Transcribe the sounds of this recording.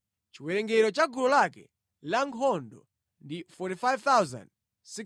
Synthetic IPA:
t͡ʃiwɛɾɛŋɡɛɾɔt͡ʃaɡuɾɔlakɛ̰ | laŋɦɔndɔ̰ | ndifɔɾifajvt̪awza̰nd̚ | si

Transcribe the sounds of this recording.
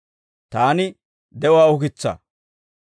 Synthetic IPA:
t̪aːnɪ | d̪ɛwaːʊk̬ɪt͡sːɐ̰

